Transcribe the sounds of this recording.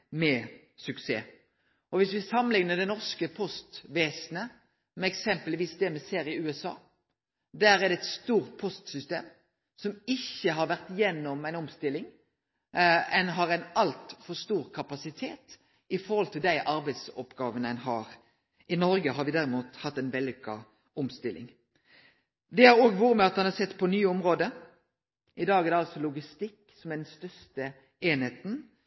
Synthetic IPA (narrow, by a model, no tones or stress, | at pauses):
mɛ | sʉksḛː | ɔʋɪsʋɪsɑmːənlɪŋnəd̪ɛnɔʁʂkəpʰɔst̪ʋeːsnə | mɛɛksɛmpəlʋiːsd̪ɛmɛseːɾɪʉːɛsɑ̰ː | d̪æɾæd̪ɛt̪st̪uːɾt̪̚pʰɔst̪sʏst̪eːm | sɔmɪçːəɦɑɾʋæʁt̪jɛnːɔmæɪnɔmst̪ɪlːɪŋ | ɛnɦɑɾæɪnɑlt̪fɔst̪uːɾkʰɑpɑsɪt̪ʰeːt̪ | ɪfɔɾhɔlt̪ʰɪld̪æɪʔɑɾbæɪd̪sɔpɡɑːʋənæɪnɦɑːɾ | ʔɪnɔɾɡəɦɑɾʋɪd̪æɾɪmuːt̪hɑt̪ːæɪnʋɛlːɪkʰɑ̰ | ɔmst̪ɪlʔɪ̰ŋ | d̪ɛæɾoːɡʋuːʁəmɛɑt̪̚mɑnhɑɾsɛt̪ːpʰɔnyːəɔmɾoːd̪ə | ʔɪd̪ɑːɡɛɾd̪ɛɑlsɔlʊɡɪst̪ɪkː | sɔmæd̪ɛnst̪œst̪ə | eːnheːt̪n̩